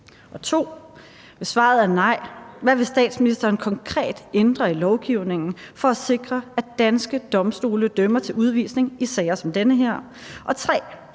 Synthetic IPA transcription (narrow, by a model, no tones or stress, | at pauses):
ʔɒ̽t͡sʰo̝̰ː | ʋe̝sʋɑ̰̈ð̞̩ˠænɑ̈ɪ̰ʋæʋe̝sd̥ɛ̰ːd̥sminisd̥ɐːnkʰɒ̽ŋkʰʁɛ̰ːd̥end̥ʁɐilɒʊɡ̥iʊ̰ne̝ŋn̩fɒ̽æse̝ɡ̥ʁɐæd̥ænsɡ̥əd̥ɒ̽msd̥o̝̰ːləd̥ømɐt͡sʰe̝lʔuð̞ˠʋḭsne̝ŋisɛːɪɐsɒ̽md̥enəɦe̝ɐ̰ | ʔɒ̽t͡sʰʁɛ̰ː